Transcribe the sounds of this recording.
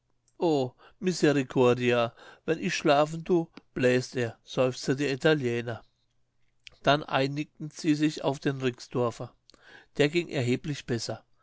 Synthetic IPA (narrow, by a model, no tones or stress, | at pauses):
ʔoː | mɪsɛʁikʰɔɐdiavɛnʔɪçʃlaːfn̩duːb̥lɛːsteːɐz̥ɔʏft͡stədeːɐitʰaljɛːnɐ | d̥anʔa̰ɪnɪk̚tn̩z̥iːzɪça̰ʊfd̥eːnʁɪksd̥ɔɐfɐ | d̥eːɐɡɪŋʔɛ̰ɐɦeːplɪçb̥ɛsɐ